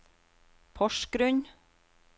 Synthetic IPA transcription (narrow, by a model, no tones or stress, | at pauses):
pʰɔʃkɾʉɲ